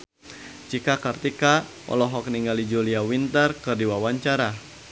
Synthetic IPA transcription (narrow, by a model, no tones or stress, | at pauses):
t͡ʃikakərt̪ika | ɔ̰lɔɦɔk̚niŋɡalid͡ʒuliawint̪ərkɨrdiwawaɲt͡ʃaɾa